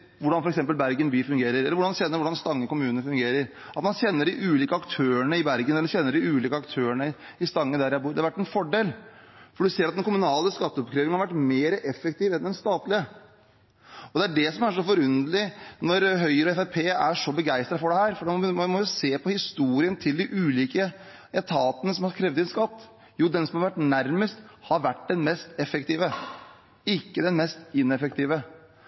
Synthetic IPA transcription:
ʋʊɖɑnfɔɾɛksɛmpəlbæɾɡənbyːfʉŋɡeːɾəɾɛlːɾʋʊɖɑnd̪çɛnːəɾʋʊɖɑnst̪ɑŋːəkʊmʉːnəəfʉŋɡeːɾəɾ | ɑt̪mɑnɕɛnːəɖɪʔʉːliːkəɑkt̪ʰøːəɳəɪbæɾɡənɛlːəɾɕɛnːəɖɪʉːliːkəɑkt̪ʰøːəɳəɪst̪ɑŋːəd̪æɾjæbuːɾd̪ɛɑʋæʈːɛnfɔɖeːlfɔɖʉseːɾɑt̪d̪ɛnkʰʊmʉnɑːləskɑt̪ːəɔpkʰɾeːʋɪŋəhɑɾʋæʈːmeːɾəʔɛfːəkt̪iːʋɛnd̪ɛnst̪ɑːt̪lɪə | ɔd̪ɛæɖɛsɔmæʂɔfɔɾʉnd̪əlɪnɔɾɦœʏəɾɔɛfæpʰeːæʂɔbəɡæɪst̪ɾɑt̪fɔɖɛhæːɾfɔɖɛmɔɪseːpʰɔhɪst̪uːɾɪənt̪ʰɪld̪ɪʔʉːliːkə | ɛt̪ʰɑːt̪ənəsɔmhɑɾkʰɾɛːʋd̪ɛnskɑt̪ː | juːd̪ɛnsɔmhɑɾʋæʈːnæɾməst̪hɑɾʋæʈ̚ːd̪ɛnmɛst̪ɛfːɛkt̪iːʋə | ɪkːəd̪ɛnmɛst̪ɪnːɛfək̚t̪ʰiːʋə

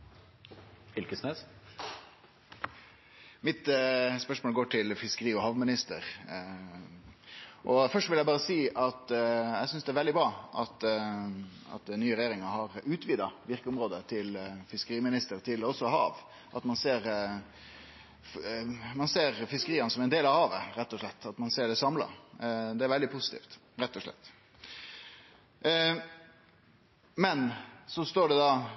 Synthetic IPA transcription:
ɪlkəsneːs | mɪt̪spœʂmoːləɡoːʈʰɪlfɪskəɾiːɔhɑːʋmɪnɪst̪əɾ | ʔɔfœʂʋɪljæɪbɑːʁəsiːʔɑt̪ɛsʏnsd̪ɛæɾʋɛld̪ɪbɾɑːʔɑt̪ | ɑ̰t̪nyːəɾɛjeːɾɪŋəhɑɾʉːt̪ʰʋiːd̪ɑʋɪʁkəʊmɾoːd̪ət̪ʰɪlfɪskəɾiːmɪnɪst̪əɾt̪ʰɪlɔsːɔhɑ̰ːʋ | ʔɑt̪mɑnseːɾ | mɑnseːɾfɪskəɾiːɑnsɔmæɛnd̪eːlɑʋhɑːʋəɾɛt̪ːɔʂɭɛt̪ːɑt̪mɑnseːɖɛsɑmlɑ̰d̪ɛæɾʋɛld̪ɪpʰʊsɪt̪ḭːft̪ | ɾɛt̪ːɔʂɭɛ̰t̪ː | mɛnsɔst̪oːɖɛd̪ɑ

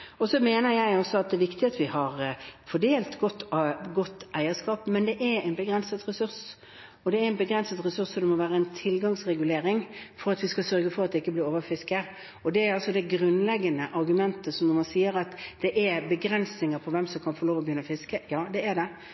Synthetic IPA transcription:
ɔsɔmeːnəɾjæɪɔsːɔɑt̪̚d̪ɛːʋɪkt̪ɪɑt̪ʋɪhɑɾfɔɖeːlt̪ɡɔt̪ːɡɔt̪ːæɪəskɑːpmɛnd̪ɛʔæɾæɪnbəɡɾɛnsət̪ɾɛsʉɾs | ɔd̪ɛæɾɪnbəɡɾɛnsət̪ɾɛsʉsɔd̪ɛmɔʋæːɾəæɪnt̪ʰɪlɡɑŋsɾɛɡʉleːɾɪŋfɔɾɑt̪ʋɪskɑsœɾɡəfɔɾɑt̪̚d̪ɛɪkːəblɪːɾoːʋəɾfɪskə | ɔd̪ɛæɾɑlsɔd̪ɛɡɾʉnlɛɡːənəʔɑɾɡʉmɛnt̪əsɔmnɔɾmɑnsiːəɾɑt̪d̪̥ɛʔɛɾbəɡɾɛnsnɪŋəpʰɔʋɛmsɔmkʰɑnfɔɾɭoːʋɔbjʏnːəfɪskəjɑːd̪ɛæd̪ɛ

